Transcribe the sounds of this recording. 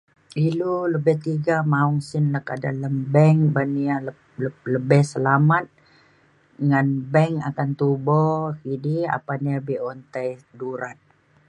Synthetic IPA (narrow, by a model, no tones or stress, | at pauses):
iluləbɛht̪iɡamauŋsɪnlakada̰lambɛŋbanial | ələbɛhsəlamat̪̚ | ŋanbɛŋakant̪ubɔkidia̰panabiɔnt̪ajduɾat̪̚